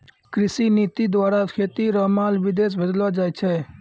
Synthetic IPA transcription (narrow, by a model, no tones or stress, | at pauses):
kɾisinit̪id̪waːɾakʰeːt̪iɾɔmalʋid̪es̬bəd̪lad͡ʒajt͡ʃʰɛ